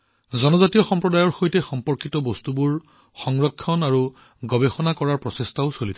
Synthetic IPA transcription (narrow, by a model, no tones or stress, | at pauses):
zɔnɔzatijɔxɔmpɹɔdajɔɹxojtɛxɔmpɔɹkitɔbɔstubuɹ | xɔŋɹɔkʰːɔnaɹu | ɡɔbexɔnakɔɹaɹpɹɔsestaʊsolitʰa